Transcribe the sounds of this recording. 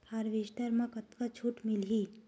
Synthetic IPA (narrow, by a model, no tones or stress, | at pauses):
aɾʋeːʃʈəɾmãkɐt̪kat͡ʃʰuːʈmɪlɦiː